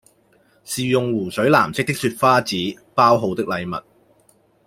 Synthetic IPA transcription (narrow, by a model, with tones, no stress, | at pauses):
siː˨jʊ˨ŋwuː˨˩sɵ˨˥ɥla̰ː˨˩mt͡sɪ˥k̚t̪ɪ˥k̚syː˧t̚faː˥t͡siː˨˥paː˥wɦo˨˧wt̪ɪ˥k̚lɐ˨˧jmɐ̰˨t̚